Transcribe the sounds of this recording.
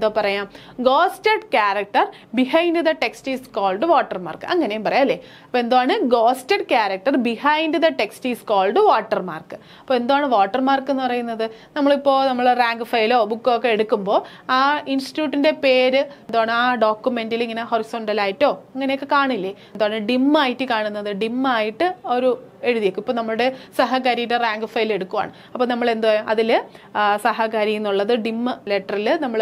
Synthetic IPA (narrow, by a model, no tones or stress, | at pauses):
end̪oːpɐrɐjaːm | ɡo̞ːstɐɖkjaːɾɐk̚ʈɐr | bihɐjnɖɨd̪ɐʈe̞kstiːskoːlɖɨʋoːʈːɐrma̰ːrkɨʔɐŋːɐne̞jumpɐrɐjaːɐlːeɐpːoe̞nd̪oaːɳɨɡoːstɐɖkjaːɾɐk̚ʈɐrbihɐjnɖɨd̪ɐʈe̞ksʈiːskoːlɖɨʋoːʈːɐrma̰ːrkɨ̥ | ɐpːoːe̞nd̪oaːɳɨʋoːʈːɐrmaːrkːe̞nːɨpɐrɐjunːɐðɨ | nɐmːɐɭipːo̞ːnɐmːɐɭeraːŋɡɨfɐjilo̞ːbukːoːkːeeɽukːumbo̞ː | aːinsi̥tjuːʈːinde̞pe̞ːɾɨend̪oaːɳɨaːɖo̞ːkːume̞ndiliŋːɐne̞ɦo̞riso̞ːɳɖɐlaːjitːo̞ːɐŋːɐnejokːɨkaːɳilːeend̪oaɳɨɖimːaːjiʈːɨkaːɳunːɐðɨɖimːaːjiʈːɨoɾue̞ɻuðijekːumipːoːnɐmːɐɭuɽe̞sɐɦɐkaɾijɾeraːŋɡɨfɐjle̞ɽukːuʋa̰ːɳɨ | ɐpːoːnɐmːɐɭe̞nd̪oaɐðilsɐɦɐkaɾikʲːunːuɭːɐðɨɖimːɨleʈːɐrilɨnɐmːɐɭ